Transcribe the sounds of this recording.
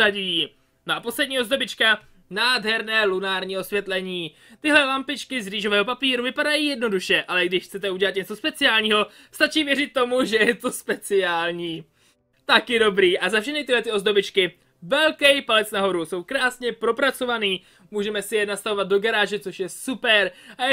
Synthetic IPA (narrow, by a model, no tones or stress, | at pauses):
aɟi | noʔapo̞slɛdɲiːozdo̞bɪt͡ʃka | naːdɦɛɾnɛːlunaːɾɲiːo̞svjɛt̪lɛɲiː | t̪ɪɦlɛlampɪt͡ʃkɪzriːʒo̞vɛːɦo̞papiːɾuvɪpadajiːjɛdno̞duʃɛʔalɛɡdɪʃxt͡sɛt̪ɛuɟɛlat̪ɲɛt͡so̞spɛt͡sɪaːlɲiːɦo̞ | st̪at͡ʃiːvjɛrɪt̪ːo̞muʒɛjɛt̪o̞spɛt͡sɪaːlɲiː | t̪akjɛdo̞bɾiːʔazafʃɛxnɪt̪ɪlɛt̪ɪo̞zdo̞bɪt͡ʃkɪ | vɛlkɛjpalɛt͡snaɦo̞ɾuso̞wkɾaːsɲɛpɾo̞pɾat͡so̞vaniː | muːʒɛmɛsɪjɛnast̪avo̞vat̪̚do̞ɡaɾaːʒɛt͡so̞ʃjɛsupɛɾʔaɛ